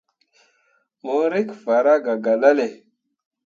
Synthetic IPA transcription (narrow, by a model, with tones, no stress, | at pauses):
mo˦ɾi˦kfa˨ɾa˦ɡa˨ɡa˨la˦le˨